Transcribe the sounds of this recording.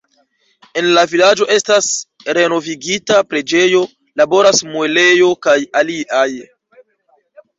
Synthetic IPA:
e̞nlavilad͡ʒo̞ʔe̞stas | ɾe̞no̞viɡitapɾe̞d͡ʒe̞jo̞ | labo̞ɾasmue̞le̞jo̞kajaliʔaj

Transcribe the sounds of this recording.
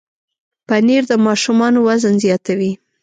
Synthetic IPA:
paniɾd̪əmɑʃumɑnowazənzjɑt̪awi

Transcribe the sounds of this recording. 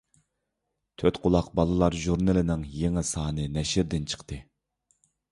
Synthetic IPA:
t̪ʰøt̪qʰʊlˠɑqbɑlˠɨlˠɑɾʒuɾnɨlɪnɪŋjeŋɪsɑːnɨnɛʃɪɾd̪ɪnt͡ʃʰə̥qt̪ʰɨ

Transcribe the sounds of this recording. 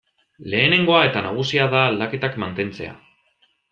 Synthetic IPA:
le̞ːne̞ŋɡo̞ae̞t̪anaɣ̞usiaðaːld̪ake̞t̪akmant̪e̞nt͡se̞a̰

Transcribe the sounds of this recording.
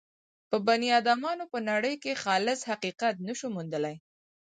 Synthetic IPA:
pəbanijɑd̪ɑmɑnopənaɽəjkexɑlɪzhaqiqat̪nəʃumund̪əlaj

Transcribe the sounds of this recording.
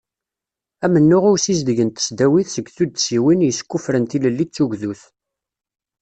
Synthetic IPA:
æmənːʊʁʊsizd̪əʝənt̪ə̥sd̪æwiθsəɡθud̪siwinjəskːufɾənt̪iləlːit͡sːuʝðuθ

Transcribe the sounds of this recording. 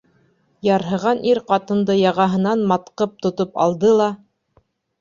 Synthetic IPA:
jɑɾɦɤ̆ʁɑnʔiɾqɑt̪ɤ̆nd̪ɤjɑʁɑɦɤ̆nɑnmɑt̪qɤp̚t̪ŏt̪opɑ̰lˠd̪ɤlˠɑ

